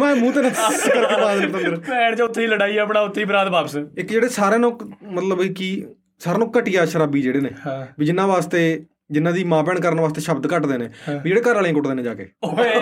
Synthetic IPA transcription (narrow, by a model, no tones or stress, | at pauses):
mɛ̃ːmũːt̪eːnãːkəɾkːpãd̪et̪ənəɾɛːɳt͡ʃaːʊt̪ʰːeːiːləɽaːiːəpɳaːʊt̪ʰːeiːbɾaːd̪baːpsɪkd͡ʒeːɽeːsaːɾeːnõːkmət̪ləbikiː | saːɾeːnũːkːəʈɪjaːʃəɾaːbiːd͡ʒeːɽeːnḛːbiːd͡ʒɪnːãːʋaːst̪eː | d͡ʒɪnãːd̪iːmãːpɛːɳkəɾənʋaːst̪eːʃəbd̪kəʈd̪eːnḛːiːd͡ʒeːɽeːkəɾaːlẽãkʊʈd̪eːnẽːd͡ʒaːkḛː